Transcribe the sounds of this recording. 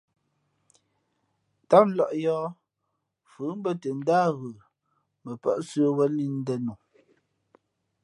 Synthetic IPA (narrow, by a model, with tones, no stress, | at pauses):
ta˦p̩̚˦lɔ˨ʔjɔː˦ | fʉ˨˦m̩˦bə˦tə˨n˦daː˦ɣə˨ | mə˨pə̰˦ʔsə˦wə˦ni˦n̩˦dɛ˦nu˨